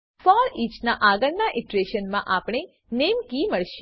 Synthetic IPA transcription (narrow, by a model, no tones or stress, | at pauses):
fɔɾit͡ʃnaʔaɡəɾnaʔɪʈɾeʃənmãʔapɽ̃e | nemkiməɭʃ